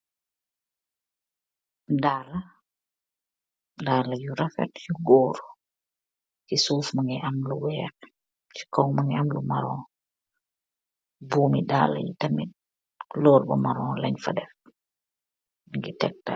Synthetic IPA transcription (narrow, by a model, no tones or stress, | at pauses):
daːla | daːlajuɾafɛ̰tjuɡɔːɾ | kisuːfmaŋɡɛʔamluwɛk | t͡ʃi̥kɔŋmaŋɛamlumaɾɔː | buːmidaːla̰jutamit | lɔːɾbɔ̰maɾɔ̃ːlaɲfadɛf | ŋɡitɛk̚ta